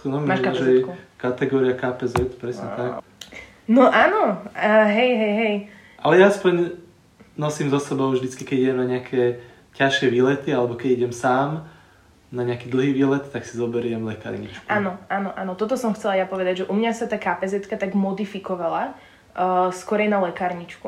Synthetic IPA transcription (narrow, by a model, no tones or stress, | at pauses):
nɔmaʃaʒɛɛukat̪ɛɡɔːɾiakapɛzɛt̪pɾɛsɲɛt̪ak | nɔʔaːnɔɦɛjɦɛjɦɛj | ʔalɛjaaspɔɲ | nɔsiːmzɔsɛbɔʊvʒd̪it͡skikɛɟiɟɛmnaɲɪakʰɛ | caʃɪɛʋiːlɛt̪ialɛbɔkɛɟiɟɛmsaːm | naɲɛakiːd̪l̩ˠɦiːʋiːlɛt̪t̪ːaksizɔbɛɾɪɛmlɛka̰ːɾɲḭt͡ʃkuʔaːnɔʔaːnɔʔaːnɔt̪ɔt̪ɔsɔmxt͡sɛlajapɔʋɛd̪aɟʒɛʔumɲasat̪aːkaːpɛzɛt̪kat̪aɡmɔd̪ifikɔʋala | skɔɾɛjnalɛkaːɾɲit͡ʃku